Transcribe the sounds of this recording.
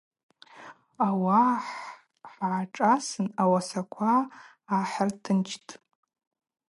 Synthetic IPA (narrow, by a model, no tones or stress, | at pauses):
awaħ | ħʕaʈ͡ʂʼasɨnawasakʷʰaː | ħartʰɨnt͡ʃʰtʼ